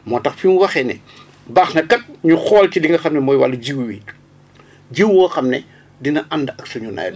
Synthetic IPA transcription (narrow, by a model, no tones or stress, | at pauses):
mɔːtɐxfiwɐxɛnɛ̰ | baːxnɐkɐt̚ɲuxɔːlcidiŋɡɐxɐmnɛmɔːjwɐ̰lːɐɟiwwiːt | ɟiwuɐxɐmnɛ | dinɐʔɐndɐɐksuɲuna̰jl